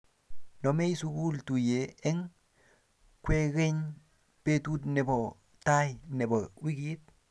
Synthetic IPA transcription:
no˨me˦i˦su˦ku˦ltu˨je˨e˦ŋ | kwe˦ɣe˦ɲ | pe˦tu˦t̬ne˨bo˨ | ta˦jne˨bo˨wi˦kit̚

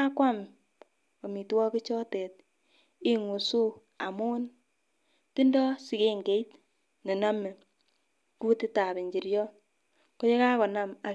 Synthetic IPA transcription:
a˦kwa˦m | o˨mi˨twɔ˦ki˦t͡ʃɔ˦tɛ˨t̚ | i˦ŋu˨su˦ | a̰˨mu˦n | ti˦ndɔ˦si˨ke˦ŋɡe˦jt | ne˨na˦me˨ | ku˦ti˦ta˨bi˨ɲd͡ʒi˨ɾjɔ˦ | ko˦je˦ka˦kɔ˨na˦ma˨

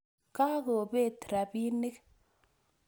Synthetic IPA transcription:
ka˦ko˨be˦˨tɾa˨pi˦ne˦k

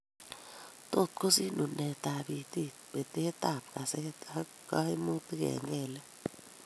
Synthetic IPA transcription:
t̪o˦˨t̪̚ko˦si˦nu˨nɛ˨t̪a˨bi˨t̪i˦ | be˨t̪e˦t̪a˨p̚ka˨se˦a˦ | ka˦e˦mu˦t̪kɛ̰˨ŋɛ˦˨lɛ˦

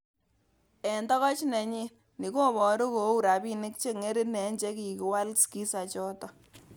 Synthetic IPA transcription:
ɛ˨ndɔ˦kɔ˦t͡ʃnɛ˨ɲi˦ | ni˨ko˦˨bɔ˨˦ɾo˦ko˨˦u˦˨ɾa˨bi˦nɪ˦k̚t͡ʃe˦ŋe˦ɾi˦nɛ˨˦ɲd͡ʒe˦ki˨ki˨wa˦lski˦sa˨t͡ʃɔ˦tɔ˦

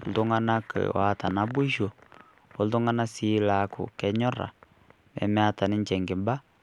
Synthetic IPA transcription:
o˨ldu˦ŋɡa˦na˦kɛ̰˨wa˨˦ta˨na˦bu˦ʃo˨ | o˨˦ldu˦ŋa˦na˦si˦la˨kʊ̰˨kɛ˦ɲɔ˦ɾa̰˨ | mɛ̰˨mɛ˦a˦ta˨nɪ˦ɲd͡ʒɛ˨ŋɡɪ˨mba˦

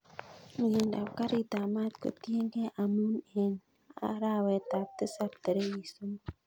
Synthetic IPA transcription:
ji˨nda˨pka˦ɾi˦ta˨ma˦t̪ko̰˨ti˦e˦ŋɡe˦ʔa˨mu˦ne˨n | a̰˦ɾa˦we˨ta˨p̚t̪ə˦sa˦p̚t̪ə˨ɾe˦ji˨su˦m

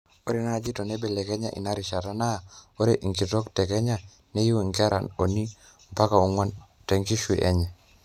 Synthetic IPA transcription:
o˦ɾe˦na˦˨d͡ʒi˦tɔ˨nɛ˦be˨lɛ˨kɛ˦ɲa̰˦˨ʔḭ˨na˦ɾi˨ʃa˨ta˦na˦˨o˦ɾe˦ʔi˨ŋki˨tɔ˦ktɛ˨ɡɛ˦ɲa˦˨ | nɛ˦ju˦i˨ŋɡɛ˦ɾa̰˨no˨ni˦ | mpa˦ka˨u˨ŋwa˦n | tɛ˨ŋki˦ʃwi˨ʔɛ̰˦ɲɛ˨

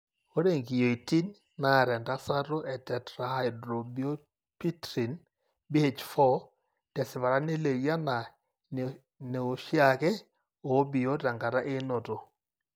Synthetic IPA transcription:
o˦ɾe˦˨ŋɡi˨jo˨i˨ti˦nː | a˨ɾɛ˨nda˦sa˦to˦ʔɛ˨tɛ˨tɾa˨ha˦jdɾo˨bi˦o˦ | pi˦tɾi˨n | bi˦he˨t͡ʃfɔ˦ | d̥ɛ˨sɪ˨βa˨ɾa˦ne˦le˨ɡja˦na˨ | ne˨o˨ʃja˦kɛ˦ | o˨˦bi˨jo˦ta˨ŋɡa˨ɾa˦ʔe˦no˨to˨

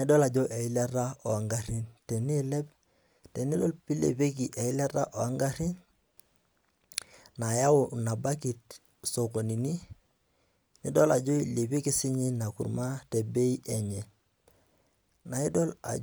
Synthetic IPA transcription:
i˦dɔ˦la˨d͡ʒo˦ʔe˨i˦la˦ɾa˦o˨a˨ŋɡa˨ɾi˦nte˨ni˦le˦p̚ | te˨ni˦do˦lpi˦lḛ˨pe˦k̬i˨ʔe˨i˦la˦ɾa˦ʔo˨a˦ŋɡa˦ɾi˦n | na˨ja˦ʊ˨na˨ba˦ki˨t̚ | so˨ko˨ni˨ni˦ | nɪ˦dɔ˦la˨d͡ʒo˦i˨le˨pi˦kɪ˦sɪ˦ɲi˦na˨kṵ˨ɾma˦te˨be˦i˦ʔe˨ɲɛ˨ | na˨i˦do˦la̰˨

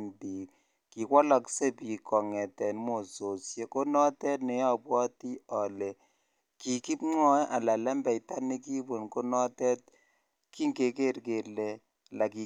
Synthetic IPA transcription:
ndi˨ | ki˨kwɔ˦la˨kse˦pi˨kʰɔ˨ŋɛ˨tɛ˨nmo˨so˨sje˦ko˦nɔ˦tɛ˦tne˨jɔ˦pwɔ˦ti˦ɔ˨lɛ˨ | ki˨ki˦pŋɔ˦jʔa˨la˨lɛ˦mbɛ˨jta˦ni˦ki˦bo˨nko˦nɔ˦tɛ˦t̚ | ki˦ŋke˨ke˦˨ɾke˨lɛ˨ | la˨ki˨

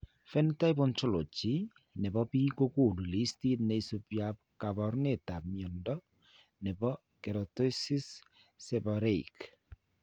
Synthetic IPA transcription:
fɛ˦nta˦jbɔ˦nt͡ʃo˦lo˨t͡ʃi˦ | ne˨bɔ˦piː˦ko˦ko˦˨ndu˨li˦sti˦tne˦i˦so˦pja˦p̚ka˨βɔ˨ɾne˦˨ta˨pmjɔ˨ndɔ˦ | ne˨bɔ˦ | ke˨ɾɔ˨to˦si˦sː | e˨baɾe˦ik

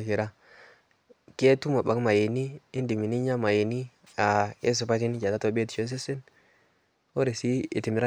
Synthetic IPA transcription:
ki˨ɾa˦ | ke˦tu˦ma˨ba˨kma˨je˨niː˦ndi˨mi˨ni˦ɲa˦ma˨je˨ni˦ | a˨e˦s̬u˨pa˦ti˦n˦t͡ʃa˨da˦to˦be˦tt͡ʃo˦s̬e˦se˦n | o˦ɾe˨si˦i˨ti˨mi˨ɾa˦

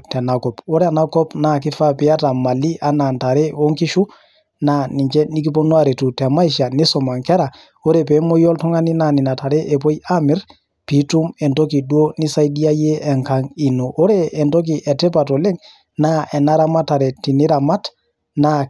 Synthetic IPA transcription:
tɛ˨na˨kɔpo˦ɾɛanakɔ˦pnak̬i˦fa˦pia˦ta˨ma˨lːi˦ʔa˦na˨nta˨ɾɛ˦o˦ŋki˦ʃu˦ | nani˨ɲt͡ʃɛ˦ni˦ki˦po˦nu˦aɾe˨tu˨tɛ˨ma˦iʃa˨ni˦sɔ˨ma˨ŋkɛ˦ɾa˨ | o˦ɾɛp̬e˨mo˦jɔ˦ltɔ˦ŋa˦ni˦nani˨na˨ta˨ɾɛ˦ʔɛ˨p̬o˦jamiɾ | pitu˦mɛ˨nto˦ki˨du˦o˦ni˦sa˦jdi˦a˦je˦ɛ˨ŋkaŋi˨no˨ʔɔ˦ɾɛː˨nto˦k̬i˨ʔɛ˨tɛ˦pa˨to˨lɛ˦ŋ | naʔɛ˨na˦ɾama˦ta˨ɾɛ˨ti˨ni˦ɾama˦t | na

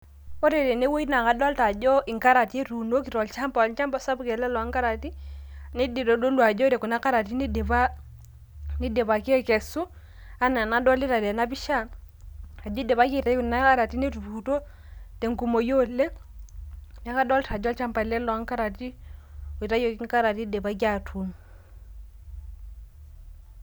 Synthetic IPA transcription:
o˦ɾe˨ɾe˨ne˦wo˦i˦na˨ka˨dɔ˦lta˨d͡ʒo˦i˨ŋka˦ɾa˨ti˦ɾu˨no˦ki˨ɾɔ˨lt͡ʃa˦mplt͡ʃa˦mpa˦sa˦bu˦ke˨lɛ˦lɔ˨a˦ŋka˦ɾa˨ti˦ne˦de˨ɾo˨do˦lwa˨d͡ʒo˦ɾe˨ku˨na˦ka˦ɾa˨ti˦ne˦de˨βa˦ | ni˦de˨βa˨ke˦ke˨su˦ | a˦na˨na˨˦dɔ˦li˦ɾa˨de˨na˦bi˦ʃa˦˨ | a˨d͡ʒo˦dɛ˨βa˦ki˦˨ta˨˦ku˨na˦ka˦ɾa˨ti˦ni˦tu˨u˨to˦ | tɛ˨ŋku˨mo˨jo˦lːɛ˦ | na˦ka˦dɔ˦lta˨d͡ʒɔ˦lt͡ʃa˦mpa˨lɛ˦lɔ˨a˦ŋka˦ɾa˨ti˦o˨i˨ta˦jo˨ki˦ŋka˦ɾa˨ti˦dɛ˨ba˦ɡ̬ʲa˦˨tʰu˨˦n

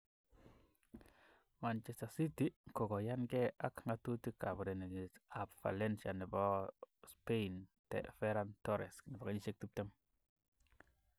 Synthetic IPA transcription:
ma˨nt͡ʃɛ˨sta˨si˦ti˦kɔ˨kɔ˨ja˦nɡɛ˦a˦kŋɡa˦tu˦ti˦ka˨bu˨ɾe˨ne˨ɲi˨tapfa̰˨lɛ˦nʃa˨nɪ˨bɔ˦spe˦intɛ̰˨fɛ˦ɾantɔ˦ɾɛ̰˨sknɪ˨bɔ˨ka˦ɲi˦ʃe˦k̚ti˦p̚tɛ˦m

